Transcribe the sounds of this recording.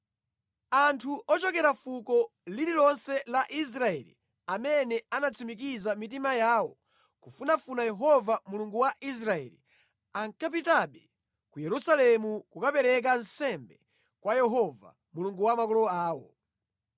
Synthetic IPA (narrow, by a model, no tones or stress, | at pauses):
antʰuʔɔt͡ʃɔkɛɾafukɔlililɔnsɛlaʔis̬ɾaɛ̰lḭ | amɛnɛanat͡sʰimik̬izamit̬imajawɔ | kufunafunajɛɦɔvamuluŋɡuwaʔis̬ɾaɛ̰lḭ | aŋkap̬itaɓɛ | kujɛɾusalɛmukukapɛɾɛk̬ansɛmbɛ | kwajɛɦɔva̰ | muluŋɡuwamakɔlɔaːwɔ̰